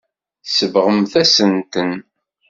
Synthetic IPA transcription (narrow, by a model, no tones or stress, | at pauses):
θsəvʁəmθæsənt̪ən